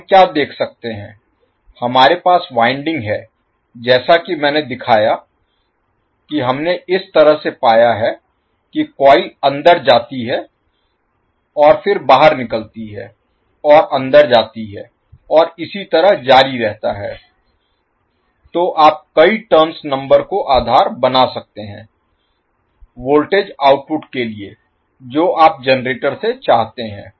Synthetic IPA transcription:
kjaːd̪eːkʰsɐk̚t̪eɦɛ̰̃ː | hɐmaːɾepaːsʋaːɪ̃ɳɖɪ̃ŋɡɦɛː | d͡ʒɛːsakimɛ̃ːned̪ɪkʰaːja | kiɦɐmneɪst̪ɐɾəɦsepaːjaɦɛ | kikɔːiɐ̃nd̪əɾd͡ʒaːt̪iɦɛ | ɔːɾfɪɾbaːɦəɾnɪkəlt̪iɦɛ̰ː | ɔːɾʔɐ̃nd̪əɾd͡ʒaːt̪iɦɛː | ɔːɾɪsit̪ɐɾəɦd͡ʒaːɾiɾɛɦt̪aɦɛ̰ː | t̪oːʔaːp̚kɐiʈəɾmsnɐ̃mbəɾkoʔaːd̪ʱaːɾbɐnasɐk̚t̪eɦɛ̃ː | ʋoːlʈeːd͡ʒaːʊʈ̚pʊʈkelie | d͡ʒoːaːp̚d͡ʒɛnɾeːʈəɾset͡ʃaːɦt̪eɦɛ̰̃ː

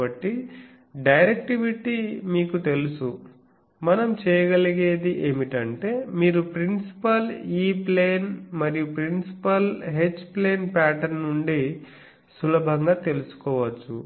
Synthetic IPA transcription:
ɐʈːi | ɖɐjɾek̚ʈiʋiʈimiːkut̪e̞lusu | mɐnɐmt͡ʃɛːjɐɡɐliɡe̞ːd̪iʔeːmiʈɐɳʈe̞ːmiːɾupɾinsi̥pɐliːpleːnmɐɾijupɾinsi̥pɐlɦet͡ʃːple̞ːnpaːʈɐɾnuɳɖi | sulɐbʱɐŋɡaːt̪e̞lusu̥kɔːʋɐt͡ʃːṵ

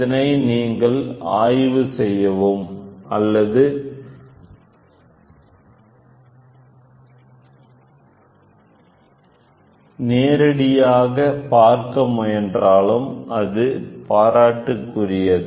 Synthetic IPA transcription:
ɐnɐɪniːŋɡɐɭa̰ːjʋɯsɛjːɐʋomɐlːɐðɯ | neːɾɐɽɪjaːɣɐpaːɾkɐmʊjɛndraːɭɯmʔɐðɯpaːɾaːʈːɯkːʊrɪjɐðɯ

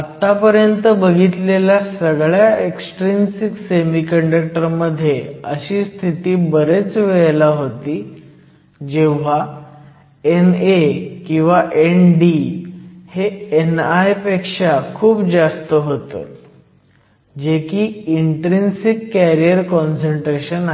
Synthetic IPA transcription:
at̪ːapəɾjənt̪əbəɡʱit̪lelasəɡɭjaeksʈɾinsiksemikəɳɖək̚ʈəɾməd̪ʱːjeəɕiːst̪ʰit̪iːbəɾet͡sʋeɭlaɦot̪iː | d͡ʑeʋ̤a | enekĩw̃ʋaʔenɖi | heenajpekʂakʰuːpd͡zast̪əɦot̪ə̰ | d͡ʑekiːiɳʈɾinsikːæɾijəɾkɔnsəɳʈɾeɕəna

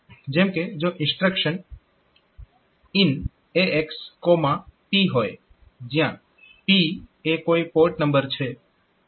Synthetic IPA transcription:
d͡ʒemked͡ʒoʔɪ̃nsʈɾəkʃən | in | eekskomãpiɦoj | d͡ʒjã | piekoipoʈnəmbəɾt͡ʃʰe

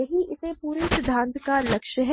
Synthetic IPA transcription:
ɐɦiʔɪsẽpuːɾisɪd̪ʱãːnt̪kalɐkʃəɦɛ

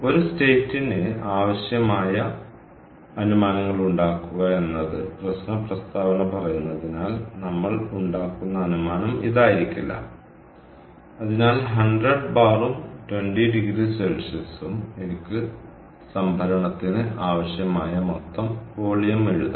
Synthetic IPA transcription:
o̞ɾuste̞ːtːinɨaːʋɐɕjɐmaːjɐ | ɐnumaːnɐŋːɐɭuɳɖaːkːuɣɐe̞nːɐðɨprɐɕnɐprɐst̪aːʋɐnɐpɐrɐjunːɐðinaːlnɐmːɐɭuɳɖaːkːunːɐːnumaːnɐmḭðaːjiɾikʲːilːɐ̰ | ɐðinaːlɦɐɳɖrɐɖbaːrumtweɳɖiɖiɡɾiselsɐsumenikʲːɨ | sɐmbʱɐɾɐɳɐt̪ːinɨaːʋɐɕjɐmaːjɐmot̪ːɐmpo̞ːɭijɐmeɻṵðɐ̰

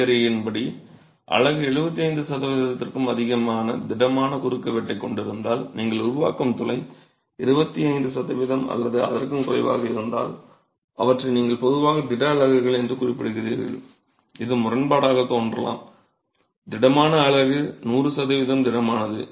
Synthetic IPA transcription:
ɾɐjɪnbɐɽi | ʔɐ̰ɭɐɣɯɛɻɯbɐt̪ːiɐɪnd̪ɯsɐðɐʋɪðɐt̪ːɪrkɯmɐðɪɣɐmaːnɐd̪ɪɽɐmaːnɐkʊɾɯkːɐʋɛʈːɐɪkːɔɳɖɪɾɯnd̪aːlniːŋɡɐɭʊɾʊʋa̰ːkɯmt̪ʊlɐɪ | ɪɾɯbɐt̪ːiɐɪnd̪ɯsɐðɐʋɪðɐmɐ̰lːɐðɯɐ̰ðɐrkɯmkʊrɐɪʋa̰ːɣɐɪɾɯnd̪a̰ːl | ɐʋɐʈrɐɪniːŋɡɐɭpɔðɯʋaːɣɐd̪ɪɽɐːɭɐɣɯɣɐɭɛndrɯkʊrɪpːɪɽɯɣɪrḭːɾɣɐ̰ɭ | ɪðɯmʊrɐnbaːɽaːɣɐt̪ːoːndrɐla̰ːm | d̪ɪɽɐmaːnɐːɭɐɣɯnuːrɯsɐðɐʋɪðɐmd̪ɪɽɐmaːnɐðɯ̰

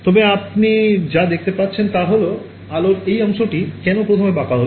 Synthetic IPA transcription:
t̪ɔbeapnid͡ʑad̪ek̚ʰt̪epatːɕʰent̪aɦolo | aloɾejəmʃoʈikɛnopɾot̪ʰomebakaɦol

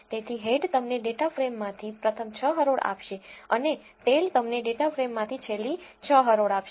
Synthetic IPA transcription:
t̪et̪ʰiɦeɖt̪əmneɖeʈafɾemːãt̪ʰipɾət̪ʰəmt͡ʃʰəɦəɾoɽa̰pʃeəne | t̪elt̪əmneɖeʈafɾemːãt̪ʰit͡ʃʰelːit͡ʃʰəɦəɾoɽapʃe

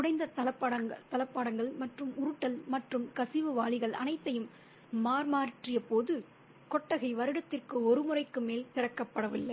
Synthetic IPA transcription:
ʊɽɐɪnd̪ɐt̪ɐlɐpːɐɽɐŋɡɐt̪ɐlɐpːaːɽɐŋɡɐɭmɐʈrɯmʊɾɯʈːɐlmɐʈrɯmkɐsɪʋɯʋaːɭɪɣɐɭɐ̰nɐɪt̪ːɐjɯmː | aːɾmaːɾɪʈrɪjɐpoːðɯ | kɔʈːɐɣɐɪʋɐɾɯɽɐt̪ːɪrkɯɔɾɯmʊrɐɪkːɯmeːlt̪ɪrɐkːɐpːɐɽɐʋɪlːɐɪ

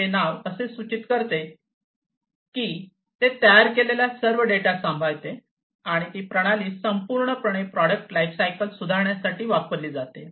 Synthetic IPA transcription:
enaʋəsesʋut͡ɕit̪kəɾt̪e | kiː | t̪et̪əjaɾkeleljasəɾʋəɖeʈasãmbʱajt̪e | aɽ̃it̪iːpɾəɽ̃aliːsəmpuɾɳəpɾəɽ̃epɾɔɽək̚ʈlajfsajkəlsud̪ʱaɾɳjasaʈiːʋapəɾliːd͡zat̪e

